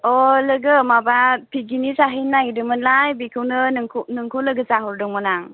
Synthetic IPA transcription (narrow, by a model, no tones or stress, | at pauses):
ɔləɡɯmabapʰiɡinisaɦinːajdɯmɯnlajbikʰɯwnɯnɯŋkʰnɯŋkʰuləɡəsaɦɔɾdɔŋmɔnaŋ